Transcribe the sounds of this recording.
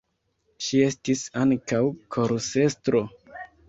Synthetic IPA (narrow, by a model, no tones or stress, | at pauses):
ʃie̞stisaŋkawkʰoɾse̞stɾo̞